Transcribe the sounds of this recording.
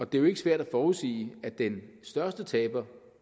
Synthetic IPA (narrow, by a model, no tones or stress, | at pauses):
ɒ̽d̥e̝joe̝ɡ̥əsʋæɐ̰d̥æfɒːusḭːæd̥ensd̥ɶɐsd̥ət͡sʰɛ̰ːb̥ɐ